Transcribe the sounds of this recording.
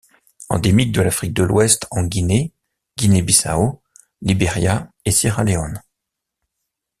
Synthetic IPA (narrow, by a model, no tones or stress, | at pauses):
ɑ̰̃d̪emik̚d̪əlafχik̚d̪əlwɛst̪ɑ̃ɡʲine | ɡ̥ʲinebisa̰o | libeʁjaesiʁaleɔn